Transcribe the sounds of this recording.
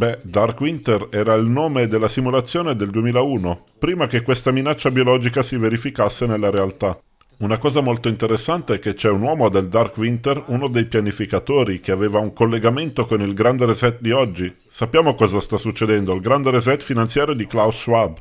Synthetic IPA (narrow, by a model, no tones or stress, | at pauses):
bɛd̪arkwint̪erɛːɾailnoːmed̪elːasimulat̪sːjoːned̪eld̪uemiːlauːno | pɾiːmakekwest̪aminat͡ʃːabiolɔːd͡ʒikasiveɾifikasːenelːaɾealt̪a | unakɔːzamolt̪oint̪eɾesːant̪eɛkːet͡ʃɛunwɔːmod̪eld̪arkwint̪erunod̪ejpjanifikat̪oːɾikeaveːvauŋkolːeɡament̪okonilɡɾand̪eɾezɛt̪̚d̪iɔd͡ʒːi | sapːjaːmokɔːzast̪asːut͡ʃːed̪ɛnd̪oilɡɾand̪eɾezɛt̪finant̪sjaːɾjod̪iklawswab